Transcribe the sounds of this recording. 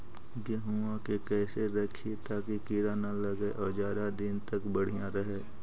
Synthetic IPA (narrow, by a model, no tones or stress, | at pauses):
ɡeɦuãkekɛːseɾɐkʰet̪aːkikiɾanɐlɐɡeʔɔːd͡ʒjaːd̪ad̪ɪnt̪ɐkbɐɽ̤ijãɾɐɦeː